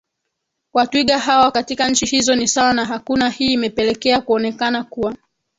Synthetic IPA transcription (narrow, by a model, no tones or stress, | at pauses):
watwiɠaɦawakatikaɲ̩t͡ʃihizɔnisawanaɦakunahiːmɛpɛlɛkɛakuɔnɛkanakuwa